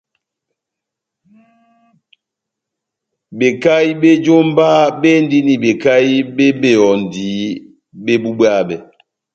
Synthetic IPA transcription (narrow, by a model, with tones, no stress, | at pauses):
be˨ka˦i˦be˦d͡ʒo˦m˦baː˦be˦n̩˦di˦ni˨be˨ka˦ji˦be˦be˦˨ɔ˨n̩˨di˨˦ | be˦bu˦bwa˦bɛ˨